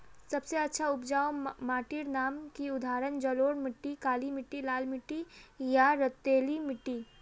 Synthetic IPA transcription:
sɐbseɐtːʃʰaʊpd͡ʒaːomaːʈiɾnaːmkiʊd̪ʱaːɾənd͡ʒəloːɽmɪʈːikaːlimɪʈːilaːlmɪʈːijaɾət̪ːeːlimɪʈːi

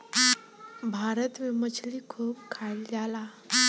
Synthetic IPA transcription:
bʱaɾət̪memət͡ʃʰlikʰuːb̚kʰald͡ʒala

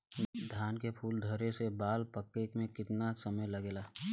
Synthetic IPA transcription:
d̪ʱjaːnkepʰuːld̪ʱəɾesebaːlpəkːekmẽkɪt̪naksəməjlɐɡeːlaː

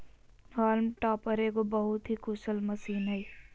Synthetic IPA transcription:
ɦaːlmʈaːpəɾekobəɦʊt̪ɦikʊsəlməsiːnɦəj

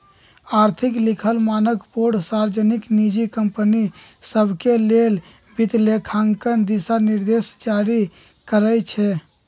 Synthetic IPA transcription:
aɾt̪ʰiklikʰəlmanəkpoɾɖsaɾd͡ʒəniknid͡ʒikəmpəni | səbʱkelel | bit̪lekʰaŋkənd̪isaniɾd̪esd͡ʒaɾi | kəɾət͡ʃʰɛ

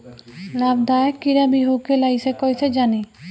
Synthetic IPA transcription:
labd̪aekiɾabiɦokelajsekɔjsed͡ʑani

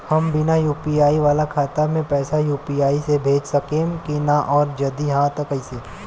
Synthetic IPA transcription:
hɐmbɪnajuːpiaːiʋaːlakʰaːt̪amẽpɛːsajuːpiaːisebʱeːd͡ʒsɐkẽːmkinaʔɔːɾd͡ʒɐd̪iɦãt̪əkəiseː

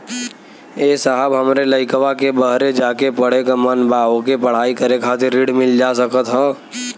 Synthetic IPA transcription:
eːsaɦəbɦɐmɾeləɪkʋakebəɦɾed͡ʒaːkepəɽ̤ekamənbaːõkepəɽ̤aːikəɾekʰaːt̪ɪɾːiɽmɪld͡ʒaːsəkət̪ɦɛ̃ː

